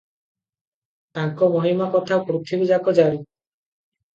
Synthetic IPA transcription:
t̪aŋkɔmɔɦimakɔt̪ʰapɾut̪ʰibid͡ʒakɔd͡ʒaɾi

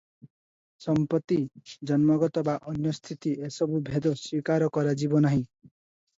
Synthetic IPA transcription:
sɔmpɔt̪ːid͡ʒɔnmɔɡɔt̪ɔbaʔɔnjɔst̪ʰit̪iʔesɔbubʱed̪ɔswikaɾɔkɔɾad͡ʒibɔnaɦĩ

